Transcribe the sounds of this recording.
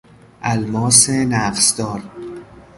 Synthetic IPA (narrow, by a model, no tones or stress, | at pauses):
ʔælmɒːsenæːqsd̪ɒːɾ